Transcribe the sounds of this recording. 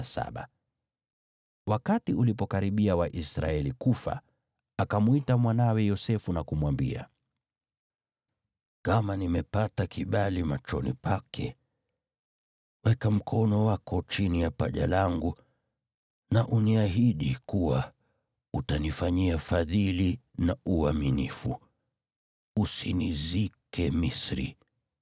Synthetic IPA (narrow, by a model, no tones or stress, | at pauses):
sa̰ɓa̰ | wakatiulipɔkaɾiɓiawaʔisɾa̰ɛlikufa̰ | akamuitamwanawɛjɔsɛfunakumwambḭa̰ | kamanimɛpatakʰiɓalimat͡ʃɔ̰nḭpʰakʰɛ | wɛkam̩kʰɔnɔwakʰɔt͡ʃinijapa̰ʄa̰laŋɡu | naʔuniaɦiɗikuwa | utanifaɲiafaðilinaʔuaminifu | usinizikʰɛmisɾḭ